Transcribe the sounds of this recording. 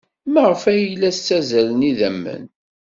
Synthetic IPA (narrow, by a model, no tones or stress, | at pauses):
məʁəfæjəlːæst͡sːæzæləniðæmːə̰n